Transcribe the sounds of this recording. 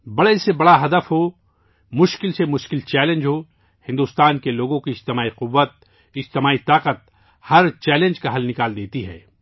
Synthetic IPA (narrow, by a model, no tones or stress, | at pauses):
bɐɽesebɐɽaɦɐd̪əfɦo | mʊʃkɪlsemʊʃkɪlt͡ʃɛːlẽnd͡ʒɦo | hɪ̃nd̪uːst̪aːnkeloːɡõkiɪd͡ʒt̪ɪmaːiqʊʋːət̪̚ | ɪd͡ʒt̪ɪmaːit̪aːqət̪̚ | hɐɾt͡ʃɛːlẽːnd͡ʒkaɦɐlnɪkaːld̪eːt̪iɦɛ̰ː